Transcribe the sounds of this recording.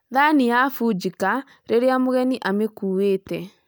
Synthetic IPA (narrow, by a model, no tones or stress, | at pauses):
ðanijafud͡ʒika | ɾeɾeamoɣɛniʔamekuːweːtɛ